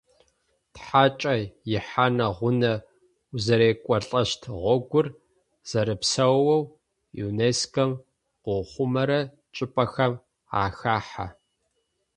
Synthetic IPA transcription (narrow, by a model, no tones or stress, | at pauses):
tħaːt͡ʃʼɐjɪħaːnɐʁʷʊnɐ | zɐɾeːkʷʼɔɬʼɐʃtʰʁʷɔɡʷʊr | z̥ɐɾɨpsɐwːɐw | jṵːneːskʰɐm | qʷʊχʷʊmɐɾɐ | t͡ʃʼɪpʼɐxɐm | a̰ːxaːħa̰